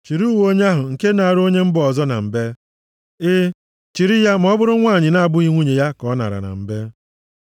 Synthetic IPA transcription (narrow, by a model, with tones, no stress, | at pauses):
t͡ʃi˨ɾu˦wo˦ɲe˦a˦ɦʊ˨ŋ̩˨ke˦na˨a˨ɾo˦ɲe˦m̩˦bʊ˨ɔ˨zɔ˦na̰˨m̩˨be˦ | ɪ˦ | t͡ʃi˨ɾi˦ja˦m̩˨˦ɔ˦bʊ˦ɾʊ˦ŋʷa˦˨ɲɪ˨na˨a˨bʊ˦i˦ŋʷu˦ɲe˨ja˦kɔ˦na̰˨ɾa̰˨na̰˨m̩˨be˦